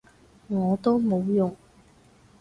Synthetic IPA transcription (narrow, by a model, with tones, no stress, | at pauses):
ŋɔː˨˧t̪o˥wmo˨˧wjʊ˨ŋ